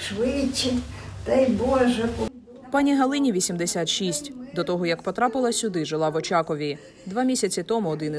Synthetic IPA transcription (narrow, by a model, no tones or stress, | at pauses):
ʃʋɪt͡ʃːɪtʲt̪ɐjbɔʒɛ | pɑnʲiɦɐlˠɪnʲiʋʲisʲimd̪esʲat̪ʃisʲtʲd̪ɔt̪ɔɦɔjɐkpɔt̪ɾɑpɪlˠɐsʲʊd̪ɪʒɪlˠɑʋɔt͡ʃɑkɔʋʲi | d̪ʋɑmʲisʲɐt͡sʲit̪ɔmʊɔd̪ɪn